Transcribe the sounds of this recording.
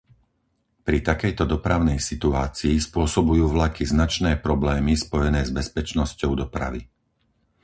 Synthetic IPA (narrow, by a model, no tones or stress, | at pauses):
pɾit̪akɛjt̪ɔd̪ɔpɾaʊnɛjsit̪uaːt͡siːspʊɔsɔbujuːʋlakiznat͡ʃnɛːpɾɔblɛːmispɔjɛnɛːzbɛspɛt͡ʃnɔscɔʊd̪ɔpɾa̰ʋi